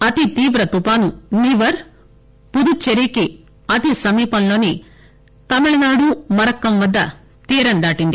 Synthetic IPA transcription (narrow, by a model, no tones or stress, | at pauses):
ɐt̪it̪iːʋɾɐt̪upaːnuniːʋɐɾ | pud̪ut͡ʃːeɾiːki | ɐt̪isɐmiːpɐnloːni | t̪ɐmiɭɐnaːɽumɐɾɐkːɐmʋɐd̪ːɐ | t̪iːɾɐnd̪aːʈind̪i